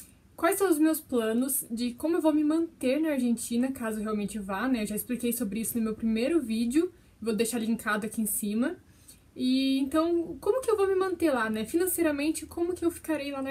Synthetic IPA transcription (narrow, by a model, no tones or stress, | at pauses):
kwajsɐ̃w̃ʊzmewsplɐ̃nʊzd͡ʒɪkõmʊewvomɪmɐ̃nt̪eɾnɐaɾʒẽnt͡ʃĩnɐkazʊewɦeawmẽnt͡ʃɪvanɛewʒaɪsplikejsobɾɪisʊnʊmewpɾimejɾʊvid͡ʒɪʊ | vowd̪ejʃaɾlĩŋkad̪ʊakiẽsĩmɐ | ɪẽnt̪ɐ̃w̃kõmʊkɪewvomɪmɐ̃nt̪eɾlanɛfinɐ̃sejɾɐmẽnt͡ʃɪkʰõmʊkɪewfi̥kaɾejlanɐ